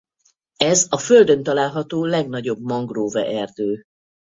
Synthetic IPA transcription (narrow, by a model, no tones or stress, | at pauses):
ɛzɒføld̪ønt̪ɒlaːlɦɒt̪oːlɛɡn̪ɒɟo̞bmɒŋɡroːvɛ̰ʔɛrd̪øː